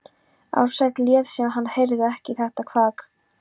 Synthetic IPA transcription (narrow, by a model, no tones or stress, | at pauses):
a̰wɾsaxt̪ljɛːðsjɛmɦanːhejɾðɪɛhcɪθɛht̪akʰvaːk